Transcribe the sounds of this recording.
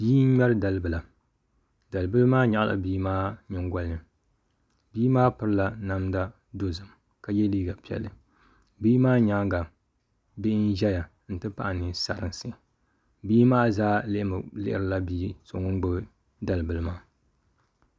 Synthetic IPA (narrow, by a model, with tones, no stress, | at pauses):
b̥iː˦n̩˦ɲɛ˦ɾɨ˦da˨lɨ˦bɨ˨la˨ | da˨lɨ˨bɨ˦lɨ˦maː˦ɲa˨ʔlʔa̰˨biː˦maː˦ɲɪ˨ŋɡʷa˦lnɨ˨ | biː˦maː˦pɨ˦ɾɨ˦la˨na˦mda˦ | do˦zɨ˨m | ka˨jɛ˦liː˦ɡa˨pi˨ɛ̰˨lːɨ˨ | biː˦maː˦ɲa˦ŋɡa˨ | bɪ˦n˦ʒɛ˦ja˨ | n̩˨tɨ˦pa˦ʔa˨nɨ˨sa˨ɾɨ˨ŋsɨ˦˨ | biː˦maː˦zaː˦lɪ˦ʔɪ˦mɨ˨lɪ˦ʔɪ˦ɾɨ˨la˦biː˦so˨ŋo˦ŋ˦ɡ͡bɨ˦bɨ˦ | da˨lɨ˨bɨ˨lɨ˦maː˦